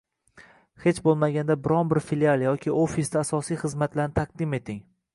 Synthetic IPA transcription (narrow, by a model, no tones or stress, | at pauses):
het͡ʃbolˠmaɡʲand̪abɪɾɒnbɪɾfilialˠjɒkʲʰɪʔofisd̪aːsɒsijχɨzmat̪laɾnɪt̪ʰaq̚d̪ɪme̞t̪ʰɪŋ